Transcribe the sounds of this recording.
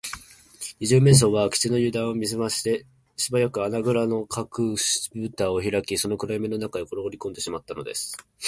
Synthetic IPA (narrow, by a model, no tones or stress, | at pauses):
ɲiʑɨːme̞ɰ̃s̬o̞ːβakʲi̥t͡sino̞jɯ̟ːd̪ãɰ̃omʲizɨmaɕi̥t̪e | ɕibajakɯ̟anaɡɯ̟ɾano̞kʰakɯ̟̥bɯt̪aːoçiɾakʲiso̞no̞kɯ̟ɾaime̞no̞nakaekoɾooɾʲiko̞nd̪e̞ɕimat̪ːano̞d̪e̞̰sɨ̥